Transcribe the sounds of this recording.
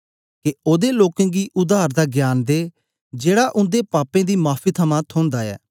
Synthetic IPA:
kɪoːd̪eːloːkẽːɡiːʔʊd̪aːɾd̪aːɡjaːnd̪eː | d͡ʒeːɽaːʔʊ̃nd̪eːpaːpẽːd̪iːmaːpʰiːt̪ʰəmãːt̪ʰʊ̃ːnd̪aːɛ̰ː

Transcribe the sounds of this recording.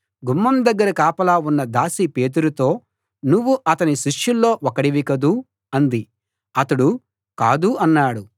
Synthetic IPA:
ɡumːɐmd̪ɐɡːɐɾɐkaːpɐlaːunːɐd̪aːsipe̞ːt̪̬uɾut̪o̞ː | nuʋːuʔɐt̪ɐniʃiʂjulːo̞ːʔɔkɐɽiʋikɐd̪u | ɐnd̪i | ɐt̪ɐɽu | kaːd̪uɐnːaːɽu

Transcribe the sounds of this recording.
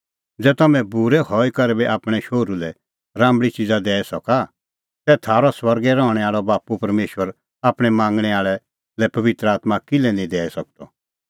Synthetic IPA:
d͡zɛːt̪ɐmɛ̃buɾɛhɔːikɐɾɛbɛʔaːpɽ̃ɛʃoːɾulɛ | ɾãːmbɽit͡ʃɪd͡zad̪ɛːɛsɐka | sɛt̪ʰaːɾɔswɐɾɡɛɾɔ̃ːɽ̃ɛ̃aːɭɔbaːpupɐɾmeːʃwəɾ | aːpɽ̃ɛmãːŋɡɽ̃ɛaːɭɛ | lɛpɐʋɪt̪ɾəaːt̪makɪlɛnĩd̪ɛːɛsɐk̚t̪ɔ

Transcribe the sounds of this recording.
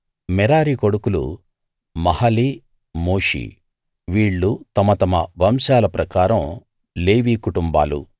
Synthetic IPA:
mɛɾaːɾikoɽukulṵ | mɐhɐli | moːʂḭ | ʋiːɭːut̪ɐmɐt̪ɐmɐʋɐmsaːlɐpɾɐkaːɾɐm | leːʋikuʈumba̰ːlṵ

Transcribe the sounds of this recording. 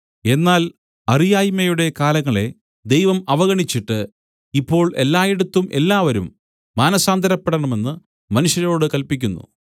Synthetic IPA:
e̞nːaːl | ɐrijaːjmɐjuɽe̞kaːlɐŋːɐɭe̞̰ | d̪e̞jʋɐmɐʋɐɣɐɳit͡ɕːiʈːɨ | ipːo̞ːɭe̞lːaːjeɽut̪ːumʔe̞lːaːʋɐɾumː | aːnɐsaːnd̪ʱɐɾɐpːeɽɐɳɐme̞nːɨ | mɐnuʂjɐɾo̞ːɽɨkɐlpikʲːunːṵ

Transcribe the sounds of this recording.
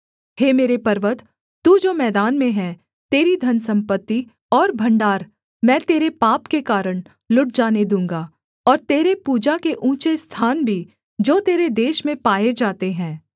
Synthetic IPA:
heːmeːɾepɐɾʋət̪ː | uːd͡ʒoːmɛːd̪aːnmẽɦɛ̃ː | t̪eːɾid̪ʱɐnsɐ̃mpət̪ːi | ɔːɾbʱɐ̃ɳɖaːɾ | mɛ̃ːt̪eːɾepaːpkekaːɾəɽ̃ | lʊʈ̚d͡ʒaːned̪ũːŋɡa | ɔːɾt̪eːɾepuːd͡ʒakeʔũːt͡ʃest̪ʰaːnbʱi | d͡ʒoːt̪eːɾed̪eːʃmẽpaːed͡ʒaːt̪eɦɛ̃ː

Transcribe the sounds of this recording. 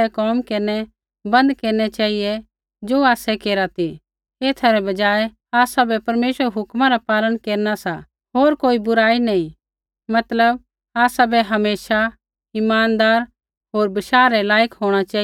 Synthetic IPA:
ɛkɔːmkeːɾnɛ | bɐ̃nd̪keːɾñɛt͡ʃaːɦijɛ | d͡ʒoːaːsɛkeːɾat̪ʰi | eːt̪ʰaɾɛbɐd͡ʒaːɛ | aːsabɛpɐɾmeːʃʋəɾɦʊkmãɾapaːlənkeːɾnasa | ɦoːɾkoːibʊɾaːinɐĩ | mɐt̪ləb̚ | aːsabɛɦɐmeːʃa | ɪmaːnd̪aːɾ | ɦoːɾbɪʃaːɾɾɛlaːjəkɦoːɽ̃at͡ʃaː

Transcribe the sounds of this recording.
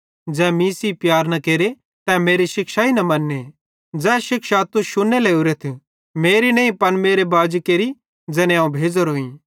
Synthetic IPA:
d͡zɛ̃ːmĩsipjaːɾnɐkeːɾe | t̪ɛ̃meːɾiʃɪkʃainɐmɐnːe | d͡zɛ̃ːʃɪkʃat̪uʃʊneleʊɾet̪ʰ | meːɾinɐ̃ːĩpɐnmeːɾebaːd͡ʒkeːɾi | d͡zɛːnẽãũbʱeːd͡zoɾoːĩː

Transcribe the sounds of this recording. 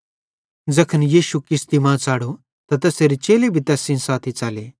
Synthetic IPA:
d͡zɐkʰənjiːʃukɪst̪imãːt͡saːɽo | t̪at̪ɐseɾit͡ʃeːlebʱit̪ɛːsĩnsaːt̪ʰit͡saːleː

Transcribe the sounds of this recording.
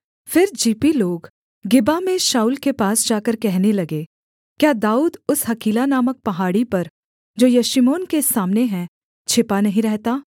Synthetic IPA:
fɪɾd͡ʒiːpiloːɡ | ɡɪbamẽʃaːuːlkepaːsd͡ʒaːkəɾkɛɦnelɐɡe | kjaːd̪aːuːd̪ʊsɦɐkiːlanaːmək̚pɐɦaːɽipɐɾ | d͡ʒoːjɐʃɪmoːnkesaːmneɦɛ̃ | t͡ʃʰɪpanɐɦĩɾɛɦt̪aː

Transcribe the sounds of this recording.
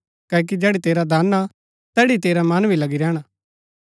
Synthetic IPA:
kɛːk̬id͡ʒɛːɽit̪eːɾad̪aːnːa | t̪ɛːɽit̪eːɾamɐnbʱilɐɡiɾɛːɽ̃a

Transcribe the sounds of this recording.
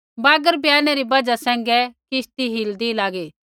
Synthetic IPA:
baːɡəɾbjaːnɛɾibɐd͡ʒasɛ̃ːŋɡɛkɪʃt̪iɦɪld̪ilaːɡeː

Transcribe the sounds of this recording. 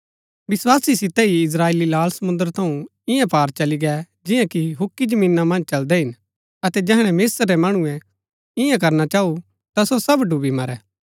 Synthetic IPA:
ʋɪswaːsisɪt̪ɛɦiɪs̬ɾaːeːlilaːlsɐmʊ̃nd̪əɾt̪ʰɐũ | ɪ̃jãpaːɾt͡ʃɐliɡɛ | d͡ʒɪ̃jãkiɦʊkːid͡ʒɐmĩːnːamɐ̃nd͡ʒt͡ʃɐld̪ɛɦɪn | ɐt̪ɛd͡ʒɛɦɽ̃ɛmeːsəɾːɛmɐɽ̃ũɛ̃ | ɪ̃jãk̬ɐɾnat͡ʃaːu | t̪asosɐbɖubimɐɾɛː

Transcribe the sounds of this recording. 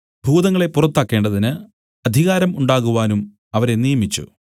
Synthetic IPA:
bʱuːðɐŋːɐɭe̞pːurɐt̪ːaːkːe̞ːɳɖɐðinɨ | ɐd̪ʱiɣaːɾɐmuɳɖaːɣuʋaːnum | ɐʋɐɾe̞nijɐmit͡ɕːṵ

